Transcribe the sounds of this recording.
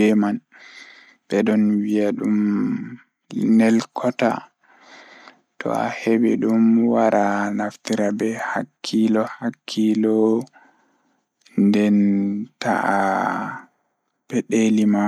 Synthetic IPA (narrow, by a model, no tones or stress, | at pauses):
ɛman | ɓɛɗɔnwiaɗum | nɛlkʰɔta̰ | tʰɔ̰a̰hebɛɗumwaɾʔanaftiɾabɛhakʰːilɔhakʰːilɔ | ndɛnta̰a | pɛɗelima